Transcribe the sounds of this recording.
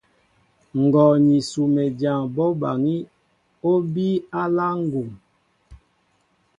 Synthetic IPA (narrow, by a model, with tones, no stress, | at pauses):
ŋ̩˨ɡɔ˨ɲi˨su˨mɛ˨dja˨ŋbɔ˦ba˨ŋi˦ | o˦bi˦a˦la˦ŋ˦ɡu˨m